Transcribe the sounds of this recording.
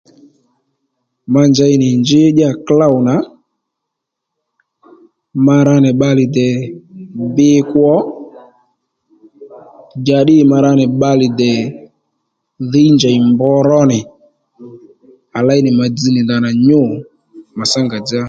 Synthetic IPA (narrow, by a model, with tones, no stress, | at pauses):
ma˧nd͡ʒa˨˧jnɪ˨nd͡ʒɪ˦ɗa˦˨kla˦wna˨˦ | ma˧ɾa˧nɛ˨ɓa˧lɪ˨dɛ˨ | bɪ˦kwɔ˦ | d͡ʒa˨ɗɪ˦˨ma˧ɾa˧nɛ˨ɓa˧lɪ˨dɛ˨ | ðɪ˦nd͡ʒa˨ɪ˨mbɔ˦ɾɔ˦nɪ˨ | a˨la˦jnɪ˨ma˨d͡zi˧˦nɪ˨da˨na˨ɲʊ˦˨ | ma˨sa˦ŋɡa˨d͡ʒa˦